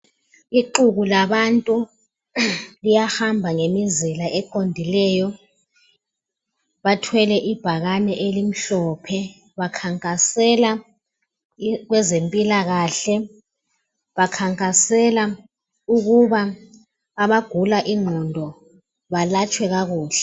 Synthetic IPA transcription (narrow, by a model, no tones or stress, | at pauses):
iǃuɣulaβantʼu | lijahambʱaŋemizilaʔɛkʰondʱilɛːjɔ | βatʰwɛlɛʔib̥ʱaɣanɛʔelim̩ɬɔpʰɛ | βakʰaŋkʼasɛla | ɣwɛzempʼilaɣaːɬɛ | βakʰaŋkʼasɛla | uɣuβaː | βaɡ̥ʱulaʔiŋ͡ǃʱɔndʱɔ | βalat͡ʃʼwɛɣaɣuːɬɛ̥